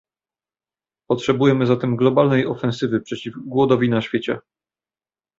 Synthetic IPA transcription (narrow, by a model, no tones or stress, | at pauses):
pɔtʂɛbujɛmɘzat̪ɛmɡlɔbalnɛjɔfɛ̃ñsɘvɘpʂɛt͡ɕivɡwɔd̪ɔvʲinaɕfʲjet͡ɕɛ̰